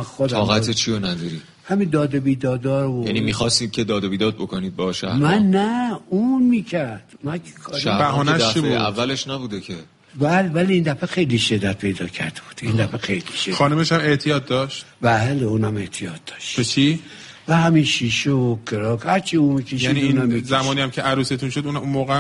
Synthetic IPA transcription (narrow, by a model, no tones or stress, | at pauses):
xod̪ʰɒːɣæt̪ʰet͡ʃʰionæd̪ɒɾi̥ | hæmind̪ɒːd̪ebiːd̪ɒːd̪ɒːɾojænimixɒst̪id̪̚cʰed̪ɒːd̪ebiːd̪ɒːd̪̚bokoniːd̪̚bɒʃæ̰mænːæunmiːcʰæɾd̪̥mænkʰe̥kʰɒːɾæbæɦɒnæʃæibuːd̪ævːæleʃnæbuːd̪ecʰe | bælebæliiːnd̪æfexejliʃed̪ːæt̪̚pʰe̞jd̪ɒːcʰæ̰ɾd̪̥eb̥u̥ːd̪̥ind̪æfexejliʃʃedxɒːnumeʃæme̞ʔt̪ʰijɒːt̪̚d̪ɒːʃt̪bæleunæme̞t̪ʰijɒt̪̚d̪ɒ̥ːʃt̪bet͡ʃʰi | væhæmiʃiʃookʰeɾɒkhæɾt͡ʃʰiumikʰeʃjæniuːnæmːizæmɒːniːæmcʰeʔæɾuːset̪ʰunʃod̪uːnunmoːɣeæm